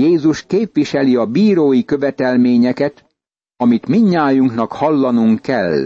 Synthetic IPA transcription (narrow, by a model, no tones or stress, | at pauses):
jeːzuʃkeːpʋiʃɛliɒbiːɾoːjikø̞vɛt̪ɛlmeːɲɛkɛt̪ | ɒmit̪miɲːaːjuŋknɒkhɒlːɒnuŋkːɛ̰l